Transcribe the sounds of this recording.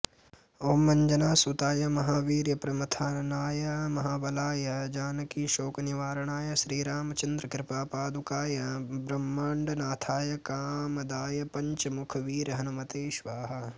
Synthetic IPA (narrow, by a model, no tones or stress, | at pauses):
oːmːɐɲd͡ʒɐnaːsut̪aːjɐmɐɦaːʋiːɾjɐpɾɐmɐt̪ʰaːnnaːjɐmɐɦaːʋɐlaːjɐd͡ʒaːnɐkiːʃoːkniʋaːɾɐɳaːjɐʃɾiːɾaːmɐt͡ʃɐnd̪ɾɐkɾɪpaːpaːd̪ukaːjɐbɾɐmːɐɳɖnaːt̪ʰaːjɐkaːmɐd̪aːjɐpɐɲt͡ʃɐmukʰɐʋiːɾɐɦɐnɐmɐt̪eːʃʋaːɦɐ̆